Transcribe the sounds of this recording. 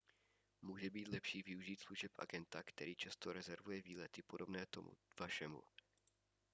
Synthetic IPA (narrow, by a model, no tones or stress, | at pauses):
muːʒɛbiːt̪lɛpʃiːvɪuʒiːt̪sluʒɛpʔa̰ɡɛnt̪akt̪ɛɾiːt͡ʃast̪oɾɛzɛɾvujɛviːlɛt̪ɪpodo̞bnɛːt̪o̰m̰v̥aʃɛmṵ